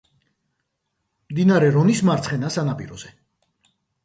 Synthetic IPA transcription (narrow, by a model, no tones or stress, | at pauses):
md̪inaɾɛɾɔnismaɾt̪sʰχɛnasanapʼḭɾɔz̥ɛ